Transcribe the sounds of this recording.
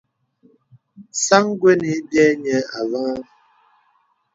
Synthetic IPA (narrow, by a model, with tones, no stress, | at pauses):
sa˦ŋ˦ɡwe˦ni˨˦dɛ˦ɲe˨a˨va˦a˦